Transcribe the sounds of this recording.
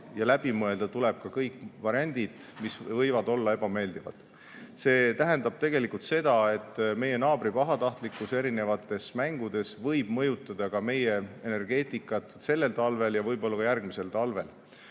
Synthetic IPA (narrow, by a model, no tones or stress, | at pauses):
jɑlæb̥imɤe̞ld̪̥ɑt̪uleb̥̚kɑkɤjkːvɑɾiɑnʲd̪̥id̪̥misvɤjvɑd̪o̞lːɑe̞b̥ɑme̞ːld̪ivɑ̰d̪̥ | se̞ːt̪æɦend̪ɑb̥̚t̪e̞ɡ̥e̞likult̪se̞d̪̥ɑe̞t̪ːˑme̞je̞nɑːbɾipɑɦɑt̪ɑht̪likːˑuse̞ɾine̞vɑt̪ːˑe̞smæŋɡ̥ud̪̥e̞svɤjb̥mɤjut̪ːˑɑd̪̥ɑkɑme̞jeene̞rɡ̥e̞ːt̪ˑikˑːɑt̪se̞lːe̞lt̪ɑlve̞ljɑvɤjbo̞lːɑkɑjærɡ̥mise̞lt̪ɑlve̞l